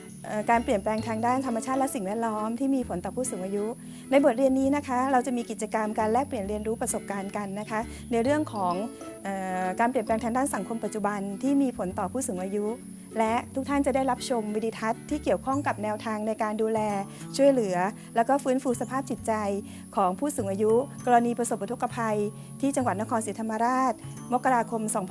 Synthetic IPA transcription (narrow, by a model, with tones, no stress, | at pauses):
ʔɤː˨˩kaː˧npli˨˩ənplɛː˧ŋt̪ʰaː˧ŋdaː˥˩nt̪ʰa˧mːa˧t͡ɕʰaː˥˩t̪̚lɛ˦˥si˨˩ŋwɛː˥˩t̪̚lɔː˦˥mt̪ʰiː˥˩miː˧pʰo˩˦nt̪ɔː˨˩pʰuː˥˩suː˩˦ŋʔaː˧ju˦˥ | na˧jbo˨˩t̪̚ɾi˧ənːiː˦˥na˦˥kʰa˦˥ɾa˧wt͡ɕa˨˩miː˧ki˨˩t̪̚t͡ɕa˧ka˧mkaː˧nlɛː˥˩k̚pli˨˩ənɾi˧nɾuː˦˥pɾa˧so˨˩p̚kaː˧nka˧nːa˦˥kʰa˦˥ | na˧jɾɯ˥˩əŋkʰɔː˩˦ŋʔɤː˨˩kaː˧npli˨˩ənpɛː˧ŋt̪ʰaː˧ŋdaː˥˩nsa˩˦ŋkʰo˧mpa˨˩t͡ɕu˨˩ba˧nt̪ʰiː˥˩miː˧pʰo˩˦nt̪ɔː˨˩pʰuː˥˩suː˨˩˦ŋʔaː˧ju˦˥ | lɛ˦˥ʔt̪ʰu˦˥k̚t̪ʰa˥˩t͡ɕa˨˩da˥˩jɾa˦˥p̚t͡ɕʰo˧mwiː˧diː˧t̪ʰa˦˥t̪ʰːiː˥˩ki˨˩əwkʰɔ˥˩ŋka˨˩p̚nɛː˧wt̪ʰaː˧ŋna˧jkaː˧nduː˧lɛː˧ | t͡ɕʰu˥˩əjlɯ˩˦ɐ | lɛː˦˥wkɔː˥˩fɯː˦˥nfuː˧sa˧pʰaː˥˩p̚t͡ɕi˨˩t̪̚t͡ɕa˧j | kʰɔː˩˦ŋpʰuː˥˩suː˩˦ŋʔaː˧ju˦˥kɔː˧ɾa˧niː˧pɾa˧so˨˩p̚ːa˧t̪ʰkːa˧pʰa˧j | t̪ʰiː˥˩t͡ɕa˧ŋwt̪̚na˦˥kʰːnsiː˩˦t̪ʰa˧mːa˧ɾaː˥˩t̪̚ | mo˦˥kːa˧ɾaː˧kʰo˧msɔː˩˦ŋʰ